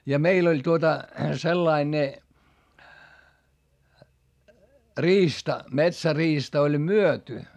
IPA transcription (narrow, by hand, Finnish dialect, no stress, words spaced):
jɑ meil olʲ tuotɑ selːɑi ne riːstɑ metsæriːstɑ olʲ myøty